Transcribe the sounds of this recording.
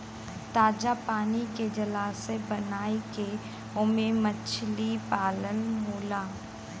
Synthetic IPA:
t̪aːd͡ʒapaːniked͡ʒɐlaːsebɐnaːike | ʊmemət͡ʃʰlipaːlənmoːlaː

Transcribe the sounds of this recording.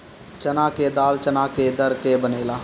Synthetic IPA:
t͡ʃənaːked̪aːlt͡ʃənaːked̪əɾkebəneːlaː

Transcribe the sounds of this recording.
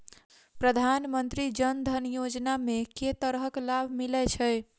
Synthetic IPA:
pɾəd̪ʱanmənt̪ɾid͡ʒənd̪ʱənjod͡ʒnameket̪əɾɦəklabʱmilɛt͡ʃʰəj

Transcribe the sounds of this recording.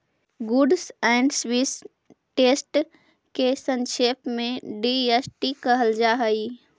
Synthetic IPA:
ɡuɖsɛɪɳɖswis | ʈeːsʈ | kesə̃nʃepmẽɖiesʈikəɦəld͡ʒaːɦəi

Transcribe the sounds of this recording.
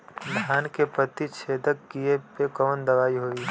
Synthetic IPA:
dʱjaːnkepət̪it͡ʃʰeːd̪ək̚ɡiepekəʋənd̪ɐʋaːiɦoiː

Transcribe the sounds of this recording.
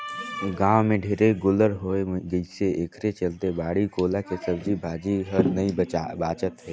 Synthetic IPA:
ɡãːwmẽɖʱeːɾeɡʊləɾɦoːeɡəiseʔeːkʰɾet͡ʃəlt̪ebaːɽikoːlakesəbd͡ʒʱibʱaːd͡ʒiɦəɾnəiabaːt͡ʃət̪ɦɛː

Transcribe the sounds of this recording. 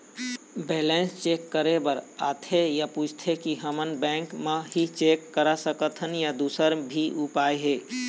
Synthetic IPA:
beːlẽːnst͡ʃeːkːəɾebəɾa̰ːt̪ʰejapuːd͡ʒʰʱt̪ʰekiɦəmənbɛ̃ːŋkmẽɦit͡ʃeːkːəɾasəkət̪ʰənjad̪uːsəɾbʱiʔʊpaːeɦeː

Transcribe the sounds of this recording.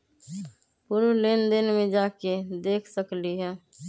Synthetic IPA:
pʊɾuleːnd̪ɪnmẽd͡ʒaːked̪eːkʰsəkliɦɛː

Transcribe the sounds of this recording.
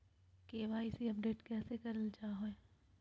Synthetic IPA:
keːʋaːisiɐp̚ɖeːʈkɛːsekɐɾəld͡ʒaːɦoe

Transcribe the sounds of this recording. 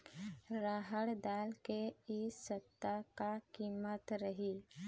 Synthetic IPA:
ɾaːɦəɽd̪aːlkeisət̪ːakakiːmət̪ɾəɦiː

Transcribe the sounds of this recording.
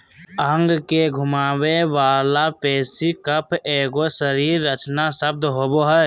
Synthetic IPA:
əŋɡkeɡʱʊmaːweʋaːlapɛːsikəpʰeːɡosəɾiːɾːət͡ʃnasəb̚d̪ɦoːboɦɛ

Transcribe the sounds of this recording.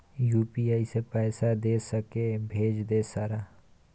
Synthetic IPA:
juːpiaːisepɛːsad̪eːsɐkebʱeːd͡ʒd̪eːsaːɾaː

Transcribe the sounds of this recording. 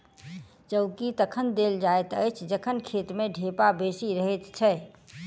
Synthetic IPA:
d͡ʒəʊkit̪əkʰənd̪eld͡ʒaet̪əjt͡ʃʰd͡ʒəkʰənkʰet̪meɖʱepabesiɾəɦət̪t͡ʃʰə

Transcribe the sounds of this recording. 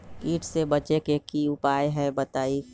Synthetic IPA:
iːʈʰsebət͡ʃekekiʊpaːjɦɛ̃bət̪aːi

